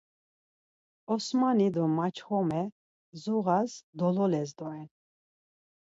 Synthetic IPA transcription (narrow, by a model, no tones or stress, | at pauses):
ɔsmanid̪ɔmat͡ʃʰχɔmɛ | zuɣazd̪ɔlɔlɛzd̪ɔɛn